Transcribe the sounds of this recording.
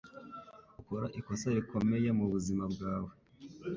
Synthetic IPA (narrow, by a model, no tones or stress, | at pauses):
ukoɾaʔiko̞saɾiko̞me̞jemuβuzimabɡaːwe